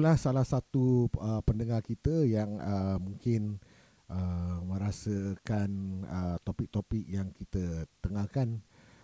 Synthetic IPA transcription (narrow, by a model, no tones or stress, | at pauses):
lahsalahsat̪uəpəndəŋarkit̪əjaŋəmũŋkɪn | ʔəmə̃ɾasəkanət̪opɪk̚t̪opɪk̚jaŋkit̪ət̪əŋakan